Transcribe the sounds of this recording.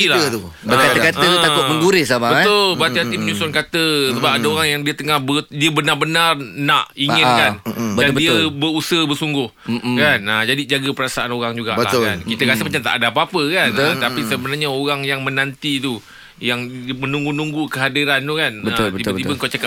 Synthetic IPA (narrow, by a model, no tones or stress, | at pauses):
ilaət̪u | əəkat̪əkatət̪aʊʔməŋɡuɾɪsamabətt̪ʊlbəat̪iɦat̪iməɲusʊnkat̪əsəbap̚adaoɾaŋjaŋdiət̪əŋahbədiəbənarbənarnãʔiŋəkanbdandiəbəusəhbərsuŋɡʊhkanəd͡ʒadid͡ʒaɡəpəɾasaanoɾaŋd͡ʒuɡaʔbəlahka̰nkit̪əkasəmat͡ʃamt̪a̰ʔdaapapəkanat̪apisəbənarɲaoɾaŋjaŋmə̃nant̪it̪u | jaŋmənũŋɡunũŋɡukəɦadiɾant̪ukanbət̪b̪ibət̪ibəəŋkot͡ʃaka